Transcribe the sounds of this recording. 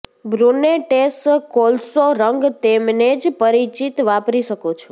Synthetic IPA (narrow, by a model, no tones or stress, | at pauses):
bɾuneʈeskolsoɾəŋɡt̪emned͡ʒpəɾit͡ʃit̪ʋapɾiʃəkot͡ʃʰo